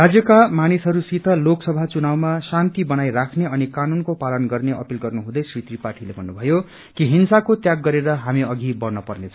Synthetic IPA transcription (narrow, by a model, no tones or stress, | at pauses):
rad͡zjʌkamanisɦʌɾusit̪ʰʌloksʌbʱat͡sunawmasant̪ibʌnajrakʰneʌnikanunkopalʌnɡʌrneʌ̰pilɡʌrnuɦũd̪ʌjsrit̪ripaʈʰilebʱʌnːubʱʌjo | kiɦinsakot̪jaɡːʌɾeɾʌɦamiʌɡʱibʌrnʌpʌrnet͡sʰʌ